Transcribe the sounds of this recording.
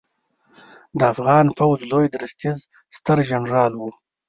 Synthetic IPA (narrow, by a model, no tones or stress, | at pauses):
d̪əafɣɑːnpawzlojd̪ɾɪst̪iz | st̪əɾʒanɾɑːlwu